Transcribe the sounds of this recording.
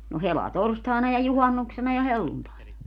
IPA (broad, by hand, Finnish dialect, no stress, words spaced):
no helɑtorstɑˑenɑ jɑ juhɑnːuksenɑ jɑ helːuntɑˑenɑ